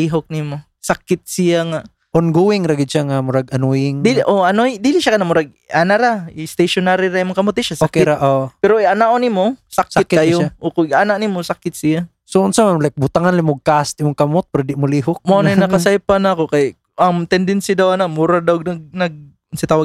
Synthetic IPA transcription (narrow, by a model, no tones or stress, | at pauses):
iɦok̚nimo | sakɪt̪̚sɪjaŋa | ʔonɡuwɪŋɾaɡɪd̪̚ʃaŋamʊɾaɡɐnujɪŋd̪ilʔoɐnojd̪iːlɪʃakɐnamʊɾaɡ̚ | ʔanaɾaɪst̪ejʃonaɾiɾaimoŋkɐmot̪̚ːɪʃasoakɛɾaʔopɛɾoʔiʔanaʔonimosaksɪt̪kajoʔokoɡʔaːnaʔnimosakɪt̪sɪja | soʊnsamamlajk̚bʊt̪aŋanlɪmoɡ̚kast̪̚ɪmʊŋkɐmot̪̚pɾɐd̪ɪʔmʊliːɦʊk̚moanajnɐkasajpanakokajʔ | ʔɐŋt̪ɛnd̪ɛnsjad̪awɐnamuɾad̪awnɐɡ̚nɐɡ̚ | sɪt̪aːwa